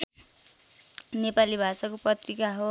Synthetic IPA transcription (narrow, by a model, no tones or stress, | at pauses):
nepalibʱasakoprʌt̪rikaɦo